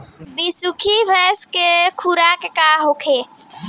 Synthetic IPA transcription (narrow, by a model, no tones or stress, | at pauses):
bisukʰibɛskekʰuɾaːkekaɦokʰeː